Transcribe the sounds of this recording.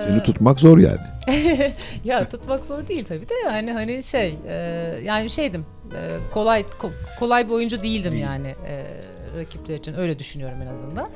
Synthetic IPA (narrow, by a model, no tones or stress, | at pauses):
senit̪ʰut̪makzo̞ɾja̰ːnɪ | jat̪ʰut̪makzo̞ɾd̪eijilʲt̪ʰabiːd̪ɛjhanɪɦanɪʃejɛːjaːnɪʃe̞jd̪im | ɛ̰ːkʰo̞lˠajkʰokʰo̞lˠajbio̞jund͡ʒud̪ejilʲd̪imjaːnɪɛ̰ː | ɾacʰiplʲeɾit͡ʃʰinø̞jlʲɛd̪yʃynyjo̞ɾumenazɯnd̪an